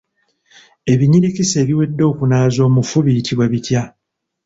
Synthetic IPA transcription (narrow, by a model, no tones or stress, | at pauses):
e̞βiɲiɾikise̞ːβiwe̞dːo̞ːkunaːzo̞ːmufuβijitʰiβwaβitja